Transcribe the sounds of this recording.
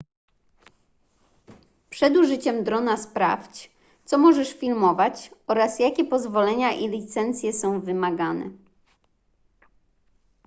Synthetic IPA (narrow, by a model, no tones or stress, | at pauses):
pʂɛd̪uʐɘt͡ɕɛmd̪ɾɔnaspɾa̰ft͡ɕ | t̪sɔmɔʐɛʂfʲilmɔvat͡ɕɔɾasjakʲɛpɔzvɔlɛɲaʔilʲit̪sɛnt̪sʲjɛsɔ̃w̃vɘmaɡanɛ̰